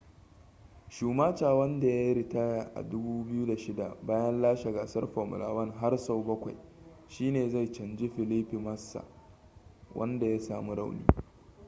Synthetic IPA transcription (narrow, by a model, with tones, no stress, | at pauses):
ʃuː˨maː˦t͡ʃaː˨wɐ˦nda˨ja˦jɾi˨ta˦jaː˨ʔa̰˨dʊ˦buː˦bɪ˦ju˦da˨ʃɪ˦da˨baː˦jɐ˦nlaː˦ʃa˨ɡa˨sɐ˦rɸo˨mʊ̰˨la̰ː˨wɐ˦ŋɦa˦rsa˦˨wbɐ˦kʷa˨j | ʃiː˦neː˨za˦˨jt͡ʃɐ˨nd͡ʒɪ˦ɸɪ˨li˦ɸi˨mɐ˦sːa̰˨ | wʔɐ̰˦nda˨ja˦saː˨mu˦ɽa˦˨wnḭː˦